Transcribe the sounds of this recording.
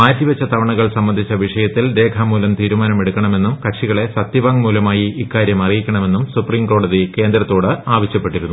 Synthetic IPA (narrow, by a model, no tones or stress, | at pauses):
maːtːiʋɐt͡ɕːɐt̪ʰɐʋɐɳɐɣɐɭsɐmːɐnd̪ʱit͡ɕːɐʋiʂɐjɐt̪ːilɾe̞ːkʰɐmːuːlɐmt̪iːɾumaːnɐme̞ɽukʲːɐɳɐme̞nːumkɐkʂiɣɐɭe̞sɐt̪ːjiʋaːŋmuːlɐmaːjiikːaːɾjɐmɐrijikʲːɐɳɐme̞nːumsupriːmko̞ːɽɐðike̞ːnd̪ɾɐt̪ːo̞ːɽɨaːʋɐɕjɐpːe̞ʈːiɾunːu